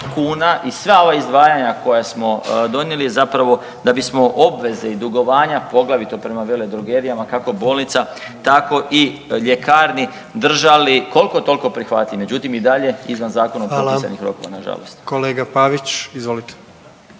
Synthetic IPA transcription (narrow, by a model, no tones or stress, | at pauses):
kuːnaʔisʋao̞ʋaizd̪ʋaːjaɲako̞jasmo̞d̪o̞nje̞lijezapɾaʋo̞ | d̪abismo̞ʔo̞bʋe̞ze̞id̪uɡo̞ʋaːɲapo̞ɡlˠaʋit̪o̞pɾe̞maʋele̞d̪ɾoɡe̞ɾijamakako̞bo̞ːlnit̪sa | t̪ako̞ʔiʎe̞kaːɾni | d̪r̩ʒaliko̞lˠko̞t̪o̞lko̞pɾixʋa̰t̪lʲiʋmed͡ʒut̪imid̪aʎe̞izʋanzaːko̞naopolsa̰nixɾo̞̰ko̞̰ʋa̰naʒa̰lˠo̰st̪koleːɡapaʋit͡ʃizʋolit̪e̥